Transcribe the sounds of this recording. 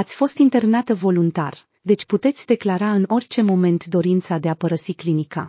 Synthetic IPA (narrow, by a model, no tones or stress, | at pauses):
at̪sʲfo̞st̪int̪e̞rnat̪əvo̞lunt̪a̰r | d̪e̞t͡ʃʲput̪e̞t̪sʲd̪e̞klaɾaɨno̞rʲt͡ʃe̞mo̞me̞nt̪d̪o̞ɾint̪sad̪e̞apəɾəsiklinika̰